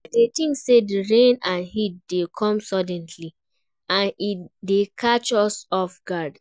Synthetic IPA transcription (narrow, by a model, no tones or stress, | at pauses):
detĩŋksediɹẽnãnhit̚dekʰɔ̃msɔdɛ̃nli | ãnidekʰat͡ʃɔsɔfɡad